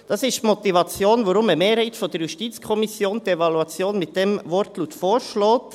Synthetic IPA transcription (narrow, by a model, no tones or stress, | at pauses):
d̥ɑsɪʃtmɔt̪ivɑt͡sjoːnʋoɾʊməmeːɾhɛɪtfod̥ɛɾjuʃtiːt͡skʰɔmɪsjoːnd̪ievɑluɑt͡sjoːnmɪt̚d̥ɛmvɔɾtluːtfoːɾʃlɔːt